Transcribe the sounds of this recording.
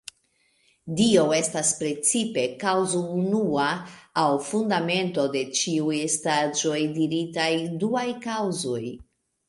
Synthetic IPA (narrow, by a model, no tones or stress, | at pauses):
dio̞e̞staspɾe̞t͡sipe̞kawzounuaːwfundame̞nto̞de̞t͡ʃiujestad͡ʒo̞jdiɾitajduajkawzo̞j